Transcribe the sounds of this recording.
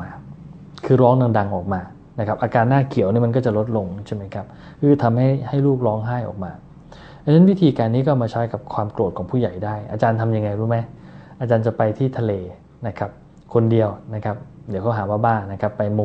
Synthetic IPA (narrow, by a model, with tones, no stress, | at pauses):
aː˧ | kʰɯː˧ɾɔː˦˥ŋda˧ŋda˧ŋʔɔː˨˩k̚maː˧ | na˦˥kʰa˦˥p̚ʔaː˧kaː˧nːaː˥˩kʰi˨˩˦wniː˥˩ma˧nk̬ɔː˥˩t͡ɕa˨˩lo˦˥t̪̚lo˧ŋt͡ɕʰa˥˩ma˦˥jkʰa˦˥p̚ | kʰɯː˧t̪ʰa˧mha˥˩jha˥˩jluː˥˩k̚ɾɔː˦˥ŋɦaː˥˩jʔɔ̰ː˨˩k̚maː˧ | ʔa˦˥na˦˥nwi˦˥t̪ʰiː˧kaː˧nːiː˦˥kɔː˥˩maː˧t͡ɕʰa˦˥jka˨˩p̚kʰwaː˧mklu˨˩t̪̚kʰɔː˩˦ŋpʰuː˥˩ja˨˩jdaː˥˩jʔa̰ː˧t͡ɕaː˧nt̪ʰa˧mja˧ŋːa˧jdu˦˥˩ma˦˥jʔaː˧t͡ɕaː˧nt͡ɕa˨˩pa˧jt̪ʰiː˥˩t̪ʰa˧leː˧ | na˦˥kʰa˦˥p̚ | kʰo˧ndi˧əwna˦˥kʰa˦˥p̚di˨˦wkʰːɦaː˩˦waː˥˩baː˥˩nːa˦˥kʰa˦˥pːa˧jmo˧